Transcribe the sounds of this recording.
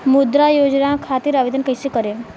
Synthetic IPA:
mud̪ɾajod͡ʒnakʰat̪iɾaʋid̪ənkəjsekəɾe

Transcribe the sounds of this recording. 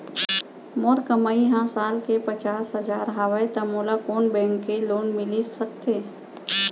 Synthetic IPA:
mɔːɾkəmaːiɦãsaːlkepət͡ʃaːsɦəzaːɾɦəwəjt̪ɐmoːlakoːnbɛ̃ːŋkːeloːnmɪlisək̚t̪eː

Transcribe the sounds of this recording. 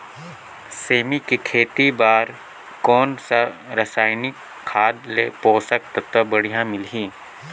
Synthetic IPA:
seːmikikʰeːt̪ibaːɾ | kɔːnsɐɾɐsaːjnɪkʰːaːd̪leːpɔːsək̚t̪ɐt̪əbəɽ̤ijãmɪlɦĩː

